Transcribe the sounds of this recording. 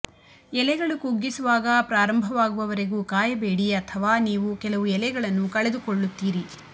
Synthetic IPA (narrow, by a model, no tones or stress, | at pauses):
ɛlɛɡɐɭukuɡːisuʋaːɡɐpɾaːɾɐmbʱɐʋaːɡuʋɐʋɐɾeɡuːkaːjɐbe̞ːɽiɐt̪ʰɐʋaːniːʋukɛlɐʋuɛlɛɡɐɭɐnːukɐɭed̪ukoɭːut̪ːiːɾi